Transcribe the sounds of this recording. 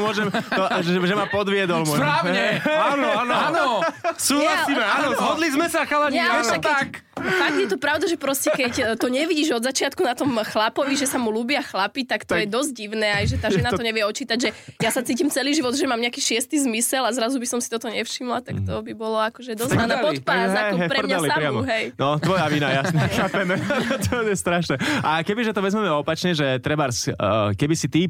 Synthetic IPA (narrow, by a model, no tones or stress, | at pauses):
mɔʒɛmt̪ʒɛmapɔd̪ʋɪɛd̪ɔlmsɔpɾaːɲɛanɔaːnanɔsuːɦlasiːmɛanɔɦɔd̪lizmɛsaxalɛɲɛaʃakkːɛak | faɡd̪jɛt̪ɔpɾaʊd̪aʒɛpɾɔscɛkɛct̪ɔɲɛʋiɟiːʒɔd̪zat͡ʃɪat̪̚kunat̪ɔmxlapɔʋiʒɛsamuluːbɪaxlapit̪akt̪ɔjɛd̪ɔzɟ̚ɟiʋnɛːajʒɛt̪aːʒɛnat̪ɔɲɛʋɪɛɔt͡ʃiːt̪aɟʒɛjasat͡siːcimt͡sɛliːʒiʋɔd̪ʒɛmaːmɲɛakiːʃɪɛst̪izmisɛlazɾazubisɔmsi̥t̪ɔt̪ɔɲɛfʃimlat̪akt̪ɔbibɔlɔakɔʒɛd̪ɔzanɛpɔt̪pazɦaɛkɦɛpɾɛmmɲaliapɾɪamɔɦɛjnɔt̪ʋɔjaʋinajasɲɛxapɛmɛt̪ʰɔjɛst̪ɾaʃnɛʔakɛbiʒɛt̪ɔʋɛzmɛmɛɔpat͡ʃɲɛʒɛt̪ɾɛbaɾskɛbisit̪i